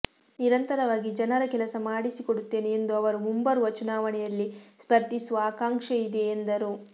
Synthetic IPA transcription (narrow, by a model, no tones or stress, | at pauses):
niɾɐnt̪ɐɾɐʋaːɡid͡ʒɐnɐɾɐkɛlɐsɐmaːɽisikoɽut̪ːe̞ːneend̪uɐʋɐɾumumbɐɾuʋɐt͡ʃunaːʋɐɳɛjɐlːispɐɾd̪isuʋɐaːkaːŋʂɐid̪e̞ːnd̪ɐɾu